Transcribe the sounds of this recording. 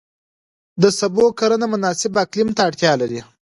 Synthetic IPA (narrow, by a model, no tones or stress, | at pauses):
d̪əsabokaɾanamʊnɑsɪbaklɪmt̪aːɽt̪ʲjɑlaɾi